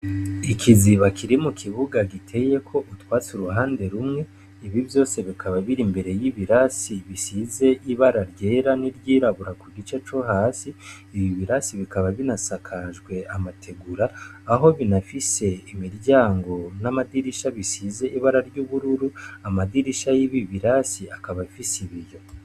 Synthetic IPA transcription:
ikʰiziβakʰiɾimukʰiβuɡaɡitʰe̞je̞kʰo̞ʔutwaːt͡suɾuɦaːnde̞ɾumŋe̞ | iβiβjo̞ːse̞βikʰaβaβiɾimbe̞ɾe̞jiβiɾasiβisize̞ʔiβaɾaɾɟe̞ːɾaniɾɟiːɾaβuɾakuɡit͡ʃe̞t͡ʃoɦaːsiː | βiβiɾasiβikaβaβinasakʰaʒɡwe̞amatʰe̞ɡuɾaːɦo̞βinafise̞imiɾɟaːŋɡo̞namadiɾiʃaβisize̞ʔiβaɾaɾɟuːβuɾuɾuamadiɾiʃajiβiβiɾasiakaβafisiβijo̞

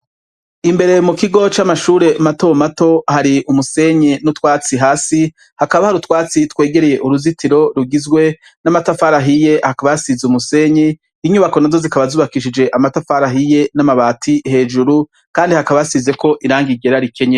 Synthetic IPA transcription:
imbe̞ɾe̞mukiɡo̞t͡ʃamaʃuːɾe̞mato̞mato̞haɾiumuse̞ɲenutwaːt͡siɦaːsi | hakaβahaɾutwaːt͡sitwe̞ːɡe̞ɾe̞je̞ʔuɾuzitʰiɾo̞ɾuɡizɡwe̞ | namatafaɾaɦije̞hakaβajasizumuse̞ɲe | iɲuβako̞nazo̞zikaβazuːβakiʃ̬id͡ʒe̞ʔamatafaɾaɦije̞namaβaːtʰihe̞ːd͡ʒuɾu | kaːndihakaβajasize̞kʰo̞ʔiɾaːŋɡiɡe̞ɾaɾikʰe̞ɲe

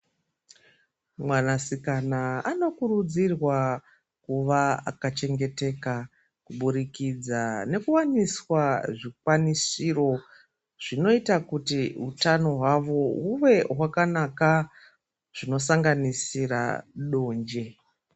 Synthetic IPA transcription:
mwanasikanaano̞kuɾud͡zirwa | kuʋaa̰kat͡ʃe̞ŋɡe̞te̞ka | kuɓuɾikid͡zane̞kuwaniswaʐikwanisiro̞ | ʐ̥ino̞itakutiutano̞ɦwaʋo̞ɦuʋe̞wakanaka | ʐ̥ino̞saŋɡanisira̰ɗo̞ːnd͡ʒe̞

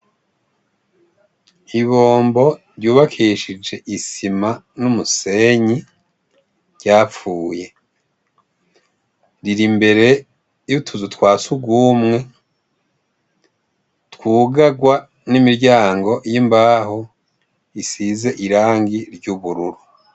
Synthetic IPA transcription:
iβo̞ːmbo̞ɾɟuːβakʰiʃid͡ʒe̞ʔisimanumuse̞ɲi | ɟ̥aːp͡fuːje̞ | ɾiɾimbe̞ɾe̞ | jutʰuzutwaːsubɡuːmŋe̞ | twuːɡaɡwa | nimiɾɟaːŋɡo̞jimbaːho | isize̞ʔiɾaːŋɡiɾɟuβuɾuɾu

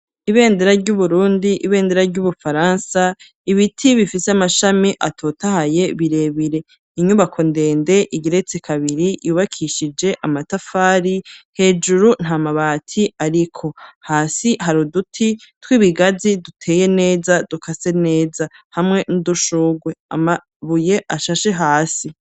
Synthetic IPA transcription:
iβe̞ːndeɾaɾɟuβuɾuːndiʔiβe̞ːndeɾaɾɟuβufaɾaːnsa | iβitʰiβifiseamaʃamiʔatʰo̞ːtahaje̞βiɾe̞βiɾe̞ | iɲuβakʰo̞nde̞ːnde̞ʔiɟiɾe̞t͡sekʰaβiɾijuːβakʰiʃid͡ʒe̞ʔamatafaːɾihe̞ːd͡ʒuɾun̥hamaβaːtʰiaɾikʰo̞haːsiɦaɾudutʰitwiːβiɡazidutʰe̞ːje̞ne̞ːzad̥ukʰase̞ne̞ːzahamŋe̞nuduʃuːɡwe̞a̰ma | βuje̞ʔaʃaʃe̞ɦaːsi

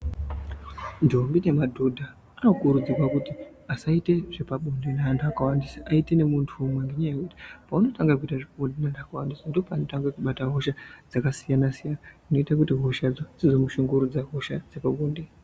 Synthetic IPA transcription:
ndʱombine̞madʱudʱa | ano̞kuɾud͡zirwakuti | asaite̞ʐ̥e̞paɓondenandʰaakawandisaʔaite̞ne̞muntʰuːmweŋɡe̞ɲajekuti̥pauno̞taŋɡak̬uitaʐeɓondenandakawandisando̞paːno̞taŋɡakuɓataɦo̞ʃad͡zakasijanasijanaino̞itakutiɦoʃad͡zod͡zizo̞muʃuŋɡuɾud͡zaɦoʃad͡zepaɓoːnde

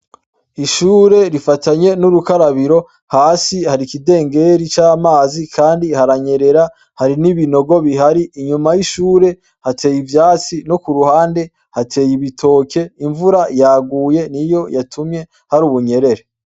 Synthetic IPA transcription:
iʃuːɾe̞ɾifataɲe̞nuɾukaɾaβiɾo̞ | haːsihaɾikide̞ːŋɡe̞ɾit͡ʃaːmaːzikʰaːndihaɾaɲe̞ɾe̞ɾa | haɾiniβino̞ɡo̞βiɦaɾiiɲumajiʃuːɾe̞ | hatʰe̞jivjaːt͡sino̞kuɾuhaːnde̞ | hatʰe̞ːjiβitʰo̞ːke̞iɱvuɾajaːɡuːje̞nijo̞jatʰumɲe̞ | haɾuːβuɲe̞ɾe̞ɾe

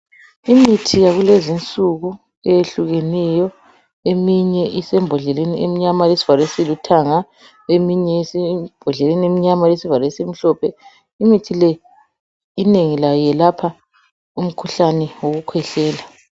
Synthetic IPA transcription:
imitʰijaɣulezint͡sʼuɣu | ɛjeɬuɣenijɔ | emiɲɛʔisɛmbʱɔɮɛleniemiɲamalesi̥valesilutʰaŋa | emiɲɛsibʱɔɮɛleniemiɲamalesivalesim̩ɬɔpʰɛ | imitʰilɛ | ineŋilajɛlapʰa | um̩kʰuɬanɛwoɣukʰwɛɬɛːla

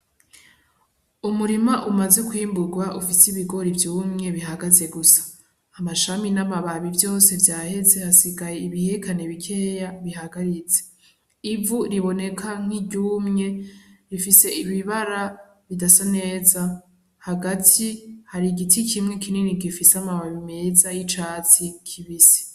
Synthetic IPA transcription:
umuɾimaʔumaze̞kuhiːmbuɡwaʔufisiβiɡo̞ɾivjuːmŋe̞βiɦaɡaze̞ɡusḁː | maʃaminaβaβaβibjo̞ːse̞vjaːhe̞ze̞hasiɡajeiβihekʰaneβikʰe̞ːjaβiɦaɡaɾit͡se̥ | ivuɾiβo̞ne̞kʰaŋ̥iɟuːmŋe̞ɾifise̞ʔiβiβaɾa | βidasane̞ːza | haɡatʰihaɾiɡitʰikʰimŋekʰininiɡifisamaβaβimezajit͡ʃaːt͡sikʰiβise̥

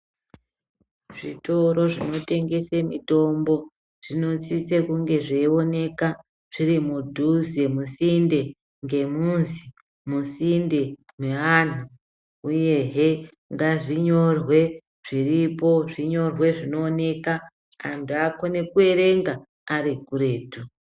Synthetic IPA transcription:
ʐ̥ito̞ɾo̞ʐino̞te̞ŋɡe̞semḭto̞mbo̞ | ʐ̥ino̞t͡sit͡sekuŋɡe̞ʐeio̞ne̞ka | ʐ̥iɾimudʱuzemusinde̞ | ŋɡe̞munzi | musinde̞ | mweʋan̤u | uje̞ɦe̞ | ŋɡaʐiɲo̞rwe̞ | ʐ̥iripo̞ʐiɲo̞rwe̞ʐino̞ːne̞ka | antʰuako̞ne̞kue̞ɾe̞ŋɡaː | ɾikuɾe̞ːtu

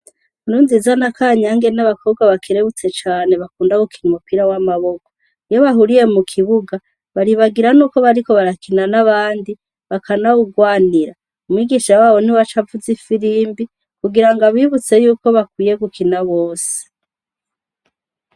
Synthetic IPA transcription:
nunzizanakaːɲaŋɡe̞naβakʰoβɡwaβakʰiɾeβut͡se̞t͡ʃaːne̞βakuːndaɡukʰinmupiɾawamaβo̞ko | ijo̞βaɦuɾije̞mukʰiβuɡa | βaɾiβaɡiɾanuːko̞βaɾiko̞βaɾakinanaβaːndi | βakʰanaβuɡwaːniɾa | umwiːɡiʃawaːβo̞niwat͡ʃavuzifiɾiːmbi | kuɡiɾaŋɡaβiβut͡se̞juːko̞βakwiːje̞ɡukʰinaβoːse̥

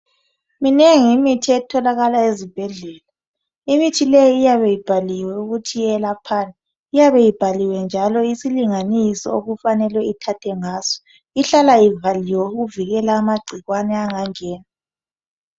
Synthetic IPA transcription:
minɛŋimitʰiɛtʰɔlaɣalaezib̥ʱɛɮɛːla | imitʰilejiːjaβɛjib̥ʱaliwɛuɣutʰiɛlapʰaːna | ijaβɛjib̥ʱaliwɛnd͡ʒʱalɔisiliŋanisɔ̰oɣufanɛlwɛitʰatʰɛŋaːz̥ɔ̥ | iɬalaivaliwɛuɣuviɣɛlaːmaɡ͡ǀʱiɣwanɛaŋaŋɛːna

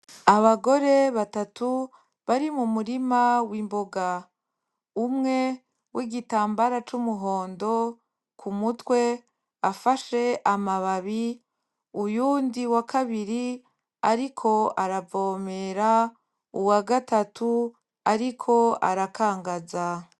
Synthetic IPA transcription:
aβaɡo̞ɾe̞βatatu | βaɾimumuɾimawiːmbo̞ɡa | umŋe̞ | wʔiɡitaːmbaɾat͡ʃumuɦo̞ːndo̞ | kumutwe̞ | afaʃe̞ʔamaβaβi | ujuːndiwakʰaβiɾi | aɾikʰo̞aɾavo̞meɾa | uwaɡatatʰu | aɾikʰo̞a̰ɾakʰaːŋɡaza

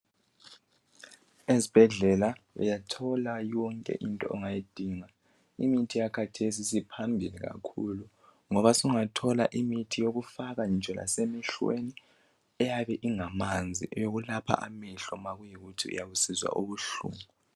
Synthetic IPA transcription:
ezib̥ʱɛɮɛlaɛ̰jatʰɔlajɔŋkʼɛ̰ʔintʼɔ̰ɛŋajid̥ʱiŋa | ḭmitʰijakʰatʰesisipʰambʱiliɣa̰kʰulu | ŋɔβasuŋatʰɔla̰ʔimitʰijoɣufaɣand͡ʒʱɛla̰semiɬwḛni | ɛjaβɛʔiŋamand͡zʱḭʔɛjoɣulapʰa̰ʔamiɬɔmaɣujiɣutʰiṵjaβusizwa̰ʔoβuɬṵːmu

